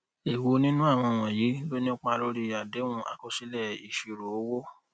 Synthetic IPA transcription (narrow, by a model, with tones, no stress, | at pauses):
e˨wo˨˦nĩ˦nũ˦a˦˨w̃ɔ̃˧˨w̃ɔ̃˨ji˨˦lo˦nĩ˦k͡pɔ̃˦a˧lo˧ɾi˧˨a˨de˨˦ũ˧˦ʔa̰˨ko˧si˦lɛ˦˨i˨ʃi˧ɾo˨o˦wo˦